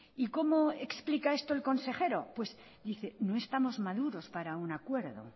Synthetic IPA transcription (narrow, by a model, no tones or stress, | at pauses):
iko̞mo̞eksplikae̞st̪oe̞lko̞nse̞χe̞ɾo̞pwe̞z | d̪iθeno̞e̞st̪amo̞zmaðuɾo̞spaɾaunakwe̞ɾðo̞̰